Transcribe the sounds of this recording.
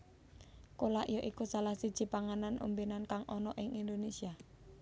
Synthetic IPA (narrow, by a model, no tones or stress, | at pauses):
kolaʔijoʔikusalahsid̥d͡ʒ̥i̤paŋananʔṵmbinankaŋʔɔnɔʔɪŋind̪onesia